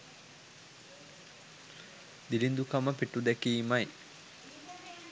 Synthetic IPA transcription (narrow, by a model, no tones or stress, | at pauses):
d̪ilind̪ukɐməpiʈːud̪ekiːmɐj